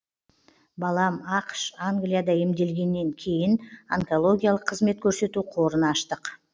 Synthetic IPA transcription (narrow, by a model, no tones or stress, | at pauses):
bɑlˠɑmɑqʃaŋɡlʲijad̪ɑjemd̪e̞lɡʲe̞nːe̞ŋkʲʰe̞jɪnaŋko̞lˠo̞ɡʲijalˠəqʰːəzme̞t̪̚kʲʰɵɾse̞t̪uqʰo̞ɾənɑʃt̪əq